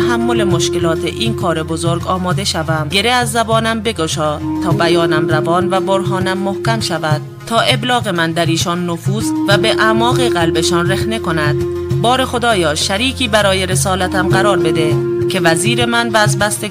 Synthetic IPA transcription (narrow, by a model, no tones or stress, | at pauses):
ɦæmːo̞le̞moʃke̞lɒːt̪ʰeʔiːnkʰɒːɾe̞bo̞zo̞ɾɡɒːmɒːd̪e̞ʃævæmɡe̞ɾeæzːæbɒːnæmbe̞ɡo̞ʃɒːt̪ʰɒːbæjɒːnæmrævɒːnvæboɾɦɒːnæmːohcæmʃævæd̪̥̚ | t̪ʰɒːʔe̞blɒːɣe̞mænd̪æɾiːʃɒːnːofuːzvæbe̞ʔæmɒːɣeɣælbe̞ʃɒːnre̞xne̞ko̞næd̪̥̚ | bɒːɾe̞xo̞d̪ɒːjɒːʃæɾiːcʰiːbæɾɒːje̞ɾe̞sɒːlæt̪ʰæmɢæɾɒːɾbe̞d̪e̞cʰe̞væziːɾe̞mænvæzbæst̪e̞